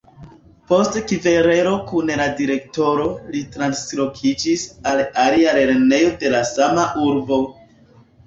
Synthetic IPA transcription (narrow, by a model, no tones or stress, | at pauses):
po̞stkive̞ɾe̞ɾo̞kunladiɾe̞kto̞ɾo̞litɾanslo̞kʰid͡ʒisalaliaɾe̞ɾne̞jo̞de̞lasamaʔuɾbo̞